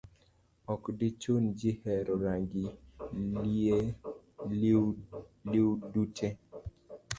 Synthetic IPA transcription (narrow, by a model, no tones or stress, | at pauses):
ɔkdɪt͡ʃond͡ʒɪhɛɾɔɾaŋɡilie | lliwdutʰe